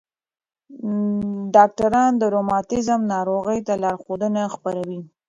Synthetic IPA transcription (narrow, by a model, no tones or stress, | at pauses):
ɖɑk̚ʈaɾɑnd̪əɾomɑtɪzəmnɑɾoɣəjt̪alɑɾxod̪ənaxpaɾawi